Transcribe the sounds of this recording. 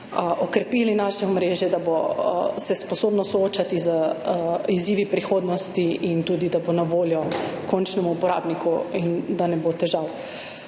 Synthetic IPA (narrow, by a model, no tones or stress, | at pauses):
ʔokɾɛpiːlinaʃɛɔmɾeːʒjɛd̪abosɛspɔsoːbnɔsɔoːt͡ʃat̪izə | iziːʋipɾixoːd̪nɔst̪iʔint̪uːd̪id̪abonaʋoːljɔkʰɔnt͡ʃnɛmuupɔɾa̰ːbnikuind̪anɛbot̪ɛʒaw